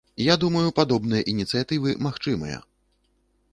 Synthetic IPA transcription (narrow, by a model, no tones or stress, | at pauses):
jad̪umɐjupad̪ɔbn̪ɨjɐʔinʲit̪sɨjat̪ɨvɨmaxt͡ʂɨmɐ̰jɐ̰